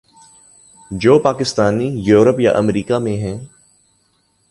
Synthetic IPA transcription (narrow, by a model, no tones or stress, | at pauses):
d͡ʒoːpaːkɪst̪aːnijuːɾəpja̰ʔəmɾiːkamẽɦɛ̃ː